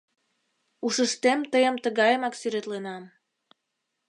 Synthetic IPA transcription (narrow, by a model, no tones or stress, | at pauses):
uʃəʃt̪emt̪əjəmt̪əɣɑjəmɑksyɾet̪lenɑm